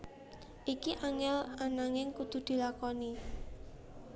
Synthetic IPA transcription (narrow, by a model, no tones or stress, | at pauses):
ʔikiʔaŋɛlanaŋɪŋkud̪̥ṳd̪̥i̤lakɔni